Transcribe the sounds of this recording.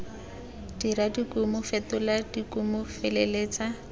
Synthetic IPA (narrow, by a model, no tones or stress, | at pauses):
d̥iradikʊmʊfetʊladikʊmʊfeleleːt͡sa